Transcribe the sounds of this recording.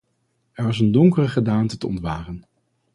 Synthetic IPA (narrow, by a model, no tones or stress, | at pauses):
ɛɹʋɑsəndɔŋkərəχədaːntətəɔ̰ntʋaːrən